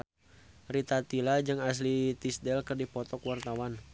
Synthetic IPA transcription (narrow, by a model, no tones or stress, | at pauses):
rit̪at̪ilad͡ʒɨŋas̬lit̪isdɛlkɨrdipɔt̪ɔkwart̪awan